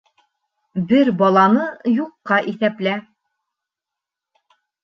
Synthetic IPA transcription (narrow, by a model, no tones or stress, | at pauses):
bɘɾbɒlˠɑnɤjuqːɑʔiθæplæ